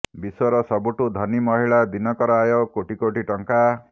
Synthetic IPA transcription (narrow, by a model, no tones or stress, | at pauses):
biswɔɾɔsɔbuʈud̪ʱɔnimɔɦiɭad̪inɔkɔɾajokoʈikoʈiʈɔŋka